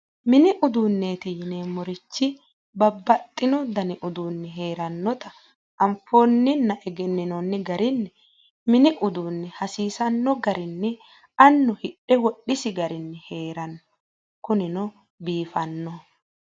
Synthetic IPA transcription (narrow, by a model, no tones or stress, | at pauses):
mɪnɪʔʊd̪uːnːe̞ːt̪ɪjɪneːmɔɾɪt͡ʃːɪ | bɐbːɐt̪ʼːɪnɔd̪ɐnɪʔʊd̪uːnːɛɦeːɾɐnːɔt̪ɐ | ɐmfoːnːɪnːɐʔɛɡɛnːɪnɔnːɛɡɐɾɪnːɛ | mɪnɪʔʊd̪uːnːɛhɐsiːsɐnːɔɡɐɾɪnːɛ | ɐnːɔhɪɗɛwɔɗːɪsɪɡɐɾɪnːɛhe̞ːɾɐnːɔ̥ | kʊnɪnɔ | biːfɐnːɔ